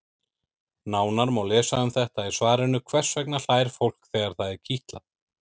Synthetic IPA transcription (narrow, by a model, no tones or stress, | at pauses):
naːwnaɾmawlɛːsaʏmθɛht̪aisvaːɾɪnːʏkʰvɛr̥svɛknal̥aːjɾ̥fowl̥kθɛːɣaɾ̥θaðɛɾ̥cʰiht̪la̰